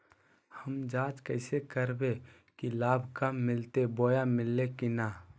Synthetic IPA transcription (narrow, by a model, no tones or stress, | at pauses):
həmd͡ʒaːt͡ʃkəɪsekəɾbe | kilaːbʱkamːɪlt̪eboːjamɪlːekinaː